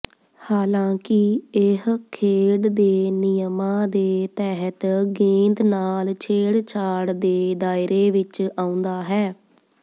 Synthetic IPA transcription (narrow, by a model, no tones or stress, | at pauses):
haːlãːkɪɪɦkʰeːɽd̪eːnɪjəmãːd̪eːt̪ɛːɦət̪ɡẽːnd̪naːlt͡ʃʰeːɽt͡ʃʰaːɽd̪eːd̪aːɪɾeːʋɪt͡ʃaːʊ̃nd̪aːɦɛː